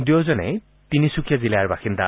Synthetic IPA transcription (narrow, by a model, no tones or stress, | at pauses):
diozɔnɛ̰ | tinisukʰijazilɛaɹbaxinda